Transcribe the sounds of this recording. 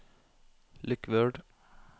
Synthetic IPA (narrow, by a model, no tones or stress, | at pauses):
lʔʏkʋøːɖ